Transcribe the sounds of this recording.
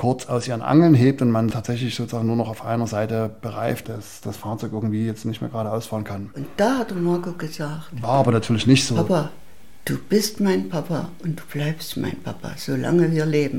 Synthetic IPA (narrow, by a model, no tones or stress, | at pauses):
kʰʊɐt͡sʔaʊsʔiːʁənʔa̰ŋl̩nɦeːp̚tʊntmantʰaːtz̥ɛçlɪçz̥oːt͡səz̥aːɡŋnuːɐnɔχaʊfʔa̰ɪnɐzaɪtəb̥əʁaɪft̚d̥asd̥asfaɐt͡sɔʏkʔɪɐɡŋ̩tv̥iːjɛt͡stnɪçtmḛːɐɡʁaːdəʔaʊsfaːlənkʰanʔʊnt̚d̥aːhatəmaɐkoːɡəzaːktvaːɐʔaːbɐnatʰyːɐlɪçnɪçtz̥oːapa | d̥uːb̥ɪstmaɪnpʰapa̰ʔʊnt̚d̥u̥ːb̥laɪpstma̰ɪnpʰa̰pʰa̰z̥oːla̰ŋəviːɐleːbm̩